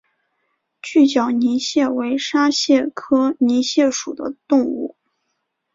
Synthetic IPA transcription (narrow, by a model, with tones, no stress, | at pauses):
t͡ɕy˥˩t͡ɕjɑ˨˩ʊni˧˥ɕjɛ˥˩we˧˥ɪʂa˥ɕjɛ˥˩kʰɤ˥ni˧˥ɕjɛ˥˩ʂṵ˨˩d̪ə̰˦t̪ʊ˥˧ŋṵ˥˩